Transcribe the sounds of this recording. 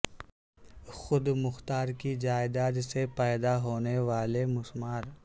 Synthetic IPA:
xʊd̪mʊxt̪aːɾkid͡ʒaːɪd̪aːd̪sepɛːd̪aɦoːneʋaːlemʊsmaːɾ

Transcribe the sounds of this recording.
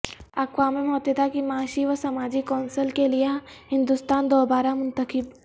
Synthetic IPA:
ɐkwaːmimɐɦɔt̪jət̪akimaːʃiʋəsɐmaːd͡ʒikɔːnsəlkeliaɦɪ̃nd̪ʊst̪aːnd̪oːbaːɾamʊ̃nt̪əkɪb

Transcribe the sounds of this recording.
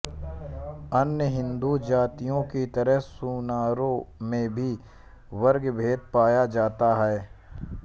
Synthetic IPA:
ɐnjəɦɪ̃nd̪ud͡ʒaːt̪ijõkit̪ɐɾəɦsuːnaːɾõmẽbʱi | ʋɐɾɡbʱeːd̪̚paːjad͡ʒaːt̪aɦɛː

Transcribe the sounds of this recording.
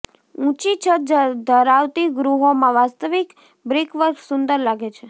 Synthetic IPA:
ũt͡ʃit͡ʃʰəd̪əɾaʋt̪iɡɾuɦomãʋast̪əʋik | bɾikʋəɾksʊnd̪əɾlaɡet͡ʃʰe

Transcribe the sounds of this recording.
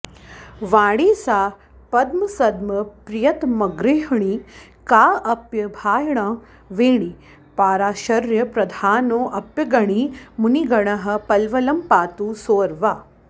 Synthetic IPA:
ʋaːɽiːsaː | pɐd̪mɐsɐd̪mɐpɾijɐt̪mɐɡɾiɦɳiː | kaːʔɐpjɐbʱaːjɳɐ | ʋeːɳ̃i | paːɾaːɕɐɾjɐpɾɐd̪ʱaːnoːʔɐpjɐɡɐɽ̃imuniɡɐɳɐɦɐ̆pɐlʋɐlɐmpaːt̪uːsoːɾʋaː

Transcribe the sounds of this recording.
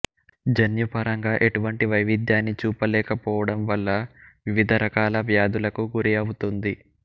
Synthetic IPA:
d͡ʒɐnjupɐɾɐŋɡaːʔe̞ʈuʋɐɳʈiʋɐjʋid̪jaːnːit͡ʃuːpɐlɛːkɐpɔːʋɐɽɐmʋɐlːɐʋiʋid̪ʱɐɾɐkaːlɐʋjaːd̪ulɐkuɡuɾiɐwut̪und̪i

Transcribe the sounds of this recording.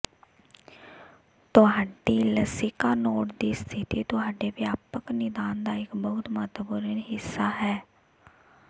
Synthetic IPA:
t̪ʊɦaːɖiːləsɪkaːnoːʈd̪iːst̪ʰɪt̪iːt̪ʊɦaːɖeːʋjaːpəknɪd̪aːnd̪aːɪkbəʊt̪mət̪buɾənɦɪsːaːɦɛː

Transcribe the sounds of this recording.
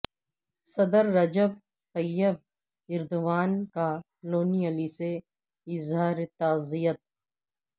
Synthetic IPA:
sɐd̪əɾːɐd͡ʒəb̚ | t̪ɐjːəb̚ | ɪɾd̪ʊʋaːnka | loːniəlise | ɪzɦaːɾet̪aːzijət̪̚

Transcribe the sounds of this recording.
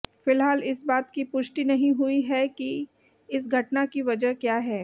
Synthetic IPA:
fɪlɦaːlɪsbaːt̪kipʊʃʈ̪inɐɦĩɦuiɦɛki | ɪs̬ɡʱɐʈnakiʋɐd͡ʒəɦkjaːɦɛː

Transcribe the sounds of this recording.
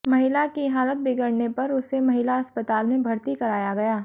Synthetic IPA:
mɐɦɪlakiɦaːlət̪̚bɪɡəɽnepɐɾʊsemɐɦɪlaɐspət̪aːlmẽbʱɐɾt̪ikɐɾaːjaɡɐjaː

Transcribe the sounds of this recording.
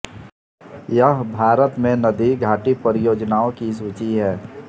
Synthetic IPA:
jəɦbʱaːɾət̪mẽnəd̪iɡʱaːʈipəɾɪjoːd͡ʒnaːõkis̬uːt͡ʃiɦɛː

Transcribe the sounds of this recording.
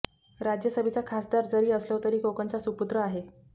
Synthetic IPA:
ɾad͡ʑjəsəbʱit͡sakʰasd̪aɾd͡zəɾiːəslət̪əɾiːkokənt͡sasuput̪ɾəaɦe

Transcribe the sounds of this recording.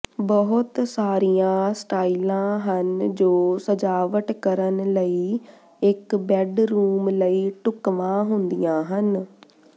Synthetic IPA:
bəɦʊt̪saːɾijãːsʈaːilãːɦənd͡ʒoːsəd͡ʒaːʋəʈkəɾənləiː | ɪkbɛːɖɾuːmləiːʈʊkʋãːɦʊnd̪ijãːɦən

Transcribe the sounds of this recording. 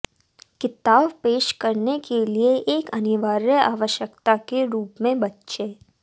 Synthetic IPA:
kɪt̪aːbpeːʃkɐɾnekʰelieʔeːkɐnɪʋaːɾjəa̰ːʋəʃjəkt̪akeɾuːpmẽbɐtːʃeː

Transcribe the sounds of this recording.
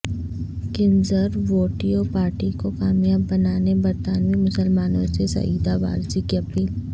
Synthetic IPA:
kɪ̃nzəɾʋoːʈiɔːpaːɾʈikokaːmjaːbːɐnaːnebɐɾt̪aːnʋimʊsəlmaːnõ̰sesɐ̰iːd̪aʋa̰ːɾd͡ʒikeɐpiːl

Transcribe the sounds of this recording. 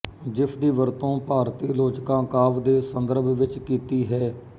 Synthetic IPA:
d͡ʒɪpʰd̪iːʋəɾt̪õːpaːɾt̪iːloːd͡ʒkãːkaːʋd̪eːsənd̪əɾbʱʋɪt͡ʃkiːt̪iːɦɛː

